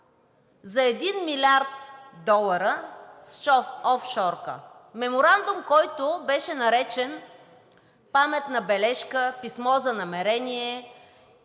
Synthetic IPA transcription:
zɐɛd̪inmilʲaɾt̪d̪ɔlˠəɾəsʃɔfɔfʃɔɾkə̰ | mɛmoɾand̪ʊmkɔjt̪obɛʃɛnɐɾɛt͡ʃɛn | pamɛt̪nɐbɛlɛʃkəpismɔzɐnɐmɛɾɛniɛ

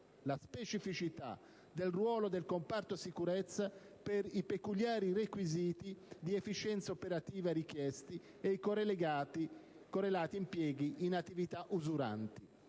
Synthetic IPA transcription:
laspet͡ʃifit͡ʃit̪a̰ | d̪elrwɔːlod̪elkompart̪osikuɾɛt̪sːa | peɾipekuljaːɾirekwiziːt̪id̪iefit͡ʃɛnt̪saopeɾat̪iːvaɾik̟jɛst̪i | eikoreleɡaːt̪i | korɾelaːt̪iːmpjɛːɡiʔːnat̪ːivit̪aʔuzuɾa̰nt̪i

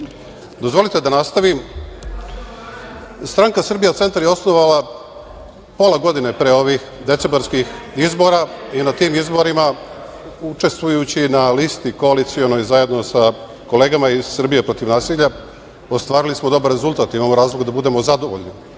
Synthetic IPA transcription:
d̪o̞zʋo̞lit̪e̞d̪anast̪aʋi | st̪ɾaŋkasr̩bijat̪se̞nt̪aɾjeo̞sno̞ʋala | po̞laɡo̞d̪ine̞pɾeo̞ʋix | d̪e̞t̪se̞mbaɾskix | izbo̞ɾainat̪iːmizbo̞ɾima | ut͡ʃe̞st̪ʋujut͡ɕinalist̪iko̞alit̪sio̞no̞jzaje̞d̪no̞sa | ko̞le̞ːɡamaiz̥sr̩bije̞pɾo̞t̪iʋnaːsiʎa | o̞st̪ʋaːɾilismo̞d̪o̞baɾɾe̞zulˠt̪aːt̪imaːmoɾaːzloɡd̪abud̪e̞mo̞zad̪o̞ʋo̞̰ʎni

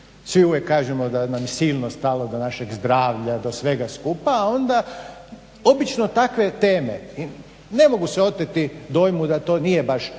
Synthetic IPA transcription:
sʋiuʋjekːaːʒemo̞d̪anamjesiːlnost̪alo̞d̪o̞naʃeɡzd̪ɾaːʋʎad̪osʋe̞ɡaskupaːo̞nd̪a | o̞bit͡ʃnot̪akʋe̞t̪eːmḛi | ne̞mo̞ɡuseo̞t̪et̪id̪o̞jmud̪at̪oːnije̞baʃ

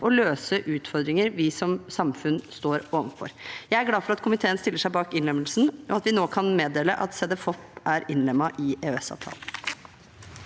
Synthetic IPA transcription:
ɔløːsəʔʉːt̪fɔɾd̪ɾɪŋəɾʋɪsɔmsɑmfʉnst̪oːɾoːʋənfɔ̰ɾjæɪæɾɡlɑːfɔɾɑt̪kʰʊmɪt̪ʰeːənst̪ɪlːəʂæɪbɑːkɪnlɛməlsn̩ɔɑt̪ʋɪnoːkʰɑnmeːd̪eːləʔɑt̪sɛd̪ɛfɔpæɾɪnlɛmːɑʔɪʔeøɛsɑ̰ːʋt̪ʰɑ̰ːlə

